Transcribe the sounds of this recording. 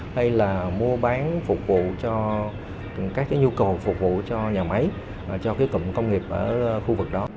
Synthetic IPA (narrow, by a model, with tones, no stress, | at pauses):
ha˧jlaː˨˩mu˧əɓaː˨˦nfʊ˨˩k͡p̚vṵ˧˨t͡ɕɔ˧ | kaː˦˥k̚ːaː˨˦jɲu˧kə˨˩wfʊ˨˩k͡p̚vṵ˧˨t͡ɕɔ˧ɲaː˨˩ma˨˦j | t͡ɕɔ˧kaː˨˦jkə̰˧˨mkə˧wŋ͡mŋi˨˩əp̚ʔəː˧˩˧xu˧vɨ˨˩k̚ɗɔ˨˦